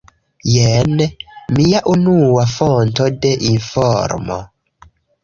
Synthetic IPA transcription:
jɛnmijaʔunuwafontodeʔinfɔɾmɔ̰

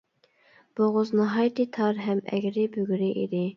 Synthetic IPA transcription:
b̥oʁʊznɑɦɑjt̪ɨt̪ʰɑɾɦɛmɛ̰ɡʲɾɪbøɡʲɾɪʔid̪ɪ

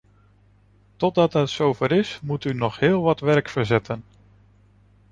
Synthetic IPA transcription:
tɔd̚dɑtɦətsowvəɾɪsmutynɔχɦɪːlˠʋɑtʋɛɹkfəɹzɛtʰən

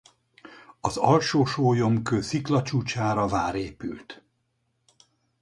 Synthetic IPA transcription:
ɒzɒlʃoːʃoːjo̞mkøːsiklɒt͡ʃuːt͡ʃaːɾɒvaːɾeːpy̰lt̪

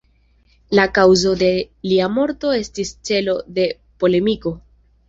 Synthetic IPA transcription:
lakawzo̞d̪e̞ | liamo̞ɾto̞e̞stist͡se̞lo̞de̞ | po̞le̞miko̞

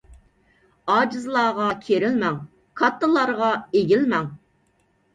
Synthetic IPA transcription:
ɑːd͡ʒɨzlˠɑːʁɑkʲʰeɾɪlmɛŋ | kʰɑt̪ʰːəlˠɑɾʁɑeɡʲilmɛŋ

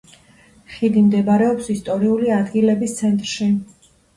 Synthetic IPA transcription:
χid̪imd̪ɛbaɾɛɔpsist̪ʼɔɾiuliad̪ɡilɛbist̪sʰɛnt̪ʼɾʃi

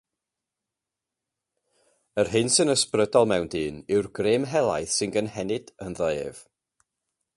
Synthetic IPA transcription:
ərɦɨnsɨnəsprədɔlˠmɛwndɨːnɪwrɡreːmɦɛlˠa̰jθsɪnɡənhɛnɪd̥ənðəːv̥

